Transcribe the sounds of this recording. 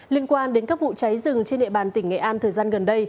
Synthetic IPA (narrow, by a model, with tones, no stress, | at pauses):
li˧ənkwaː˧nɗe˨˦nkaː˦˥k̚vṵ˧˨t͡ɕa˨˦jzɨ˨˩ŋt͡ɕe˧nɗḭ˧˨ɓaː˨˩nt̪ï˧˩ŋ̟ŋɛ̰˧˨ʔaː˧nt̪ʰəː˨˩jzaː˧nɣə˨˩nɗə˧j